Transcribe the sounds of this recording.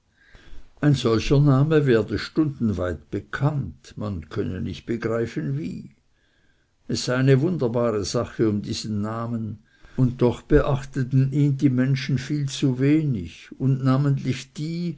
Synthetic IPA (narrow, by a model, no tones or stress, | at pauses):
ʔaɪnzɔlçɐnaːməvɛːɐdəʃtʊndn̩vaɪtb̥əkʰantmankʰœnə̰nɪçt̚b̥əɡʁaɪfənvḭː | ɛsz̥aɪaɪnəvʊndɐbaːʁəz̥aχəʊmdiːz̥ənːaːmən | ʊnt̚d̥ɔχb̥əʔaχtətn̩iːndiːmɛnʃn̩fiːlt͡suveːnɪçʊndnaːməntlɪçd̥iː